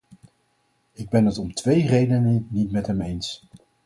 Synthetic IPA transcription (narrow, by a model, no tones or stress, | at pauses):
ɪɡ̚bɛnətɔmtʋejrejdənənitmɛtɦɛmejns